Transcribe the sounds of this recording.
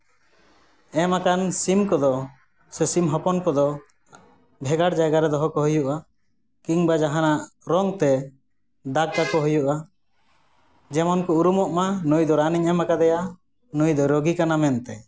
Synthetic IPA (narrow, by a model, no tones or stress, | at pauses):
ɛmakansimkɔd̪ɔ | sɛsimɦɔpɔnkɔd̪ɔ | bʱɛɡaɽd͡ʒaɡaɾɛd̪ɔɦɔkɔɦujuʔa | kiŋbad͡ʒaɦanaʔɾɔŋt̪ɛ | d̪ak̚t̪akɔɦujuʔa | d͡ʒɛmɔnkɔuɾumɔʔmanujd̪ɔɾaniŋɛmakad̪ɛja | nujd̪ɔɾoɡikanamɛnt̪ɛ